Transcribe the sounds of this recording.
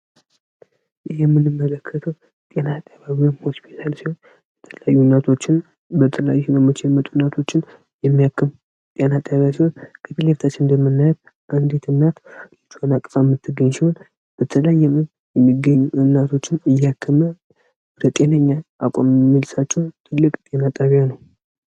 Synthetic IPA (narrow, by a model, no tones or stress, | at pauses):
ʔɨɦɛmːɨnɨmːələkʰːət̪ʰəw | t̪ʼe̞nat̪ʼaβaβiwanho̞spʰi̥t̪ʰalsiho̞n | bɛt̪ʰələjajːunat̪ʰo̞t͡ʃːɪn | bət̪ʰələjajubəmːɨt͡ʃɛmːət̪ʼunat̪ʰo̞t͡ʃːɪn | jɛmːijakʰːɨm | t̪ʼenat̪ʼaβaβsiho̞nkʰət̪ileft̪ʰat͡ʃːɪnnd̪əmːɨnːajt̪ | ʔɨnd̪et̪ʰɨnːat̪lɨt͡ʃːhonakʼəfamːɨt̪ːɨɡəɲːsiho̞n | b̥ət̪ʰələjːɛmɨn | jɛmːiɡəɲuɨnːat̪ʰo̞t͡ʃːɪnɨjːakʰːəmə | ɾət̪ʼe̞nəɲːaʔakʷʼammːilsat͡ʃːɛwt̪ʰɨlːɨkʼt̪ʼe̞nat̪ʼaβjanəw